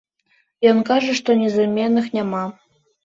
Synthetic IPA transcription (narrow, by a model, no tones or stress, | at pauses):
jonkɑʐɘ̆ʂt̪onʲezɘmʲenːɨxnʲemɑ